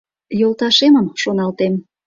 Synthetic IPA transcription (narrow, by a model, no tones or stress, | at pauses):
jolt̪ɑʃeməmʃonɑlt̪em